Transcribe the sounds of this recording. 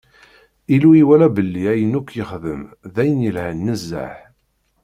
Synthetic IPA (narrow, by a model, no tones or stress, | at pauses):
iluiwælæbəlːiæjənukːjəχðəmðæjənjəlhænːəzːa̰ħ